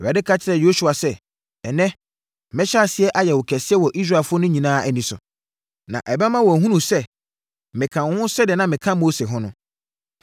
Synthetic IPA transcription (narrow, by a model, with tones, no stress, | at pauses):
ɛ˨a˨˦dɪ˦kʰa˦t͡ɕʰɪ˦ɾɛ˨jo˦su˨˦a˨sɛ˦ | ɛ˨nɛ̃˦ | mɪ̃˦ɕa˦˨sɪ˦ɛ˦ʔa˨jɛ˨wʊ˨kʰɛ˨sɪ˦ɛ˦wɔ˨ʔi˦s̬ɾa˦˨ɛ˨fʊ˦ɔ˦nʊ̃˦ɲĩ˨nãː˦ʔɛ˨nĩ˨˦sʊ̰˨ | nã̰˨ʔɛ˨bɛ˦mã˦wɔ˨æ˨ɦũ˦nũ˨sɛ˦ | mɪ̃˨kʰã˨˦hʊ̃˦sɛ˦di˨ɛ˨nã˦mɪ̃˨kʰã˦mo˦se˨ɦʊ̃˦nʊ̃˦